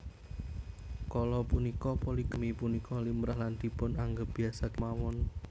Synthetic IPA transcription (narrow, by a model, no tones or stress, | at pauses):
kɔlɔpunikɔpolikəmipunikɔlimɾahland̪̥i̤pʊnaŋɡəb̥iasakəmawɔn